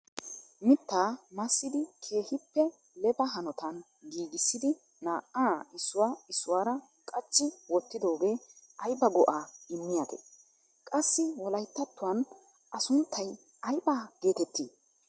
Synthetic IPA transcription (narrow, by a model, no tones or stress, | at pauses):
mɪt̪ːaːmɐsːɪd̪ɪkʰe̞ːhɪpːɛ | lɛbɐɦɐnɔt̪ɐn | ɡiːɡɪsːɪd̪ɪ | naːʔaːɪsːʊwaːɪsːʊwaːɾɐ | kʼɐt͡ʃːɪwɔt̪ːɪd̪o̞ːɡeːʔɐjbɐɡɔʔaːɪmːɪjaɡ̪ḛː | kʼɐsːɪwɔlɐjt̪ːɐt̪ːʊwɐn | ʔɐsʊnt̪ʰːɐj | ʔɐjbaːɡ̥e̞ːt̪ɛt̪ːḭː